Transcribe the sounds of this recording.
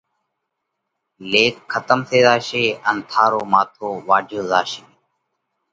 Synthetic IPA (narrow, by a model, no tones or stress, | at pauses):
leːkkʰːət̪əmsʰeːzaːʃeːənt̪ʰaːɾoːmaːt̪ʰoːʋaːd͡ʒʱoːzaːʃeː